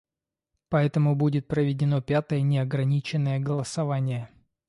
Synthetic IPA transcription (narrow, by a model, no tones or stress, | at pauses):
pɐɛt̪əmʊbudʲɪt̪̚pɾəvʲɪdʲɪno̞pʲat̪əjənʲɪɐɡɾɐnʲit͡ɕɪnːəjəɡəlˠəsɐvanʲɪjə